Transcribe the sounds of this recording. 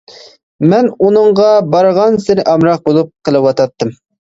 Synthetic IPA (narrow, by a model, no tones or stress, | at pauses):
mɛnunɨɴʁɑbɑɾʁɑnsɪɾɪʔɑmɾɑq̚bolˠup̚qʰəlˠɨwɑt̪ɑt̪ːɨm